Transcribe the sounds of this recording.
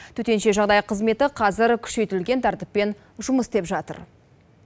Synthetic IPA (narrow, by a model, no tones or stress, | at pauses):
t̪ʰɵt̪e̞nʃe̞ʒɑʁd̪ɑjqʰəzme̞t̪ɪqʰɑzɪɾkʲʰʏ̥ʃe̞jt̪ɪlɡʲe̞nt̪ʰɑɾt̪əpːe̞n | ʒʊməsd̪e̞pʒɑt̪ə̰ɾ